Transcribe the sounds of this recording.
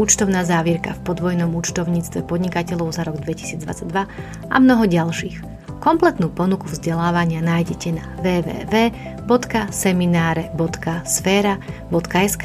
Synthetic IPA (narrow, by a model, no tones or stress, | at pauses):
ut͡ʃt̪ɔʊnaːzaːʋiɾka̰fpɔd̪ʋɔjnɔmut͡ʃt̪ɔʊɲiːt͡st̪ʋɛpɔd̪ɲikacɛʎɔʊzaɾɔɡd̪ʋɛci̥siːd͡zd̪ʋa̰t͡saɟd̪ʋa | ʔa̰mnɔɦɔɟalʃiːx | kɔmplɛt̪nuːpɔnukuvzɟɛlaːʋaɲɪanaːjɟɛcɛnaʋɛːʋɛ̰ːʋɛːbɔt̪kasɛminaːɾɛbɔt̪kasfɛːɾabɔt̪kaɛsk